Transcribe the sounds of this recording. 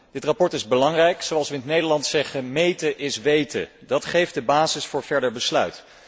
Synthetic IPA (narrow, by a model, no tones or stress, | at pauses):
d̥ɪtrapɔɹtɪzbəlɑŋrɛjksowɑlˠsʋəɪnətnejdəɹlɑntsɛχəmejtəʔɪsʋejtə̰ | dɑtχejf̚dəbaːzɪsfʊːɹv̥ɛɹdəɹbəslœɥt